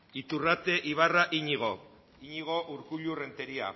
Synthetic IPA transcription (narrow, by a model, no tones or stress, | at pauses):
it̪urat̪e̞ʔiβ̞araʔiɲiɣ̞o̞ | iɲiɣ̞o̞ʔuɾkuʎure̞nt̪eɾia̰